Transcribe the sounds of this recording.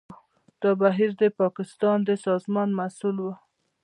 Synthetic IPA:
d̪̥ɑbaɦiɾd̪əpɑkɪst̪ɑnd̪əsɑzmɑnmasulwə

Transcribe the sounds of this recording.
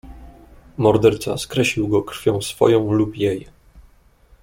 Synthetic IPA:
mɔɾd̪ɛɾt̪sa̰skɾɛɕʲiwɡɔkɾ̥fʲjɔ̃w̃sfɔ̰jɔ̃w̃lupjej

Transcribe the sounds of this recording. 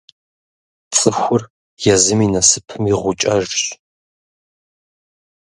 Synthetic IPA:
t͡sʼɨxʷʊr | jɛzɨminɐsɨpʰɨmiʁʷʊt͡ʃʼɐʒɕ

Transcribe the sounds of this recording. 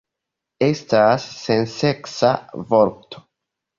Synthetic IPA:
e̞stasːe̞nse̞ksa̰vo̞ɾto̥

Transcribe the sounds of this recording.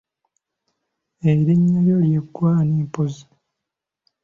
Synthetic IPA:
eiɾeɲːajoljeɡwaniːmpozi̥

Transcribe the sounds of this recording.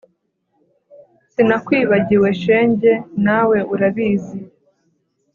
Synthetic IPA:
sinakwiːβaɟiwe̞ʃe̞ːɲɟe̞nawe̞ʔuɾaβiːzi

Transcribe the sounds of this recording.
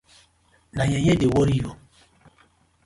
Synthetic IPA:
naɲeɲedɪwoɾijo

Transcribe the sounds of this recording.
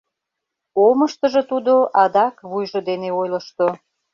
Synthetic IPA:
oməʃt̪əʒĕt̪ud̪oʔɑd̪ɑkβujʒod̪eneojləʃt̪o

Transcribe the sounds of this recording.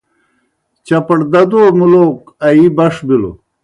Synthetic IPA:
t͡ɕɐpɐɽd̪ɐd̪umuloːk | ɐibɐʂbilo̰

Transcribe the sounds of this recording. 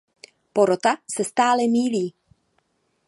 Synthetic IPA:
poɾot̪asɛst̪aːlɛmiːliː

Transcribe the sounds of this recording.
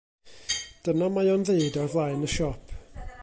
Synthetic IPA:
d̥ənamajɔnðeɨdɔrðlˠaɨnəʃɔpʰ

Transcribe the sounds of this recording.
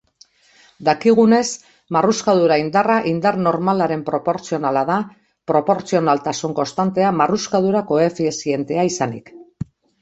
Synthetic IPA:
d̪akiɣ̞une̞s | maruskað̞uɾaind̪araʔind̪arno̞ɾmalaɾe̞mpɾo̞poɾt͡sio̞nalaða | pɾo̞po̞ɾt͡sio̞nalt̪asuŋko̞nst̪ant̪e̞amaruskað̞uɾako̞e̞fisie̞nt̪e̞aisanḭk

